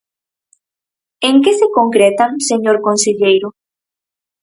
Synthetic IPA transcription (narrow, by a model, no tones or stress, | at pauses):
eŋkesekoŋkɾet̪aseɲoɾkonseʎejɾʊ